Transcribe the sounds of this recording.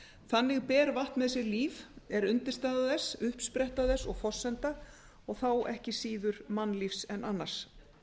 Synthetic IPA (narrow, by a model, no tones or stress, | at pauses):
θanːɪɣpɛːɾvaht̪nmɛðs̬ɪɾliːvɛɾʏnt̪ɪɾ̥st̪aːðaðɛsʏhpspɾɛht̪aðɛsɔɣfɔsːɛnt̪a | ɔɣθawʔɛhcɪsiːðʏɾmanːlifsɛnːʔanːḁs